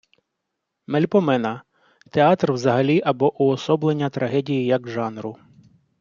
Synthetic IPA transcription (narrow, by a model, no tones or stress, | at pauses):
mɛlʲpɔmɛnɐ | t̪eɑt̪rwzɐɦɐlʲiʔɐbɔʔʊɔsɔblˠenʲːɐt̪ɾʔɐɦɛdʲijijɐkʒɑnɾʊ